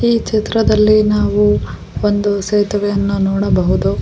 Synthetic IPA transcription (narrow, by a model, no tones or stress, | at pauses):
iːt͡ʃit̪ɾɐd̪ɐlːinaːʋu | ond̪useːt̪ɐʋɛjɐnːunɔːɽɐbɐɦud̪u